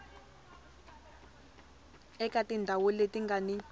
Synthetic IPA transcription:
ɛkatindʱawuletiŋɡani

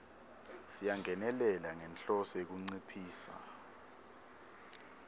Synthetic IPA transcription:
sijaŋʱɛnɛlɛlaŋɛnɬɔsek̬uŋ͡ǀipʰiːsa̰

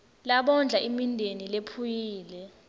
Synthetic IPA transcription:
laɓɔnd͡ɮʱaʔimindʱenilepʰujiːlɛ

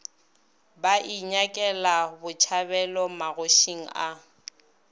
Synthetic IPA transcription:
baʔiɲakʼɛlabʊt͡ʃʰabɛlɔmaɣoʃiŋ̩a

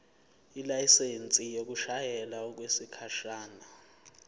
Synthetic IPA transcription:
ilajisent͡sʼijok̬ʼuʃajɛlaɔk̬wesikʰaʃaːna

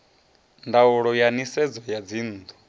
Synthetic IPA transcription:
ndauɺɔjanisɛd͡zɔjad͡ziːn̩ːd̪ɔ

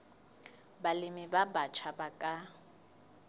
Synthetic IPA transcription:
balɪmibabat͡ʃʰabakʼa

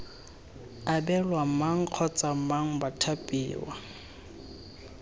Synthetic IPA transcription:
abɛlwam̩maŋ̩q͡χʰɔt͡sʼam̩maŋ̩batʰapʼḭːwa̰

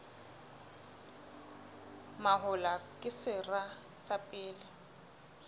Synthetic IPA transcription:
maɦʊlakʼɪsɪra | sapʼɪːlɪ

